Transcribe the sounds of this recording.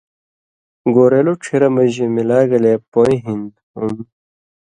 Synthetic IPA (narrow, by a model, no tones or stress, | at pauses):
ɡoːɾeloʈ͡ʂʰiɾɐmɐʑemilaːɡɐleːpoĩɦind̪ | un